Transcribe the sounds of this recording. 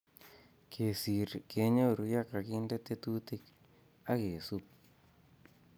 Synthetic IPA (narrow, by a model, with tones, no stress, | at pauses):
kʰe˨si˨ɾke˨˦ɲo˦˨ɾu˨ja˦ka˨ki˦nde˦t̪e˦t̪u˦t̪i˦k | a˦ke˨su˦p